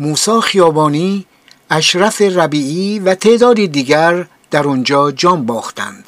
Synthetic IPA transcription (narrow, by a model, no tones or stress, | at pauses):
muːsɒːxijɒːbɒːniː | æʃɾæferæbiːʔiːvæt̪ʰe̞ʔd̪ɒːd̪iːd̪iːɡæɾ | d̪̥æɾɔnd͡ʒɒːd͡ʒɒːmbɒːxt̪ʰæ̰nd̪̥